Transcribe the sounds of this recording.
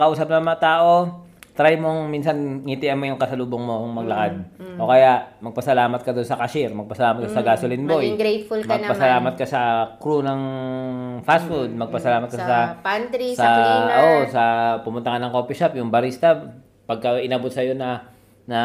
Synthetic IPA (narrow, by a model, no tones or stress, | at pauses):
kɐʔuːsɐp̚nɐmɐŋɐt̪aːʔo̞t̪ɾajmoŋmiːnsɐnŋit̪ɪʔɐmːojʊŋkɐsɐluːboŋmo̞ŋmɐɡ̚lɐkad̪̚ʔo̞kɐjaʔmɐɡ̚pɐsɐlaːmɐt̪̚kɐd̪onsɐkɐʃɪɾmɐɡ̚pɐsɐlaːmɐt̪̚kasɐɡaːsolɪnbojɡɾejt̪fulmɐɡpɐsɐlaːmɐt̪̚kɐsɐkɾunɐŋ | fasfuld̪̚mɐɡ̚pɐsɐlaːmɐt̪̚kɐsɐpant̪ɾisɐʔoːʔosɐpʊmʊnt̪ɐkɐnɐŋkoːpiʃap̚jʊŋbɐɾist̪ɐ | pɐɡ̚kɐʔɪnɐbot̪̚sɐjo̞nɐ | nɐ